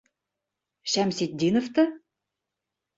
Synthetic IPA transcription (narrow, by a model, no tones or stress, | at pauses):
ɕæmsit̪̚d̪ʲinŏft̪ɤ̆